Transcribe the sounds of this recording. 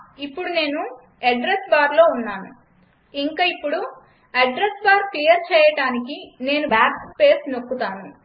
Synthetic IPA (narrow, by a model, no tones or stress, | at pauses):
ipːuɽune̞ːnu | ɐɖɾesbaːɾlo̞ːunːaːnu | iŋkaːipːuɽu | ɐɖɾesbaːɾklijɐɾt͡ʃɛːjɐʈaːnikine̞ːnubaːppe̞ːsnokːut̪aːnu